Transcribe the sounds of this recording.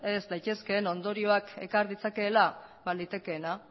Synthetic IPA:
e̞zd̪ajt̪e̞ske̞ːno̞nd̪o̞ɾio̞ake̞kaɾðit͡sake̞ːlabalit̪e̞ke̞ːna

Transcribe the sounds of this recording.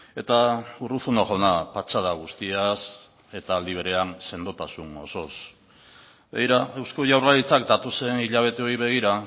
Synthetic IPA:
e̞t̪aurusunoʝonapat͡ʃað̞aɣ̞ust̪ias | e̞t̪aːld̪iβ̞eɾe̞anse̞nd̪ot̪asuno̞̰so̞s | bḛjɾae̞wsko̞ʝawralit͡sakd̪at̪ose̞niʎaβ̞e̞t̪e̞o̞iβe̞ɣ̞iɾa

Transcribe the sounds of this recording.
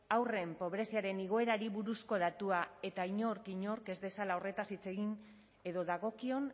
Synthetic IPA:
awre̞mpo̞βɾe̞siaɾe̞niɣ̞o̞e̞ɾaɾiβuɾusko̞ðat̪uae̞t̪aiɲo̞ɾkiɲo̞ɾke̞zðe̞salao̞re̞t̪asit͡se̞ɣin | e̞ðo̞ðaɣo̞kio̞n

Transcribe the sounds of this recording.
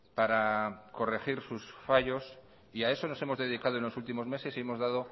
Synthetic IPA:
paɾako̞rexiɾsusfaʝo̞s | iae̞so̞no̞se̞mo̞zðe̞ð̞ikað̞oe̞nlosult̪imo̞zme̞se̞siemo̞zðað̞o

